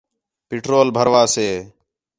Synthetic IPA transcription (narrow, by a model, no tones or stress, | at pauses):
pɪʈɾoːlbʱəɾʋaːseː